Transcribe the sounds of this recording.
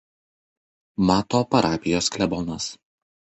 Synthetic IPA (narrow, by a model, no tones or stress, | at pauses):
mɑːt̪oːpɐɾɑːpʲɪjoːsklʲɛbɔnɐs